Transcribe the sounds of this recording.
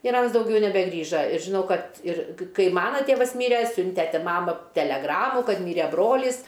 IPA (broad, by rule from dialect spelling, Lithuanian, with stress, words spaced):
ɪr ˈɐns dɐʊˈɡʲɛʊ nʲɛbʲɛˈɡrʲiːʒɐ ɪr ʒʲɪˈnɐʊ ˈkɐt ɪr ˈkɐɪ ˈmɑːnɐ ˈtʲeːʋɐs ˈmʲiːrʲɛ ˈsʲʊnʲtʲɛ ˈtʲɪ ˈmɑːmɐ tʲɛlʲɛˈɡrɑːmʊ ˈkɐt ˈmʲiːrʲɛ ˈbroːlʲiːs